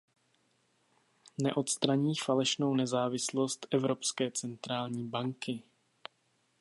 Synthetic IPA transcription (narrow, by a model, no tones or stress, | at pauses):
nɛʔo̞t̪st̪ɾaɲiːfalɛʃno̞wnɛzaːvɪslo̞st̪ʔɛvɾo̞pskɛːt͡sɛnt̪ɾaːlɲiːbaŋkɪ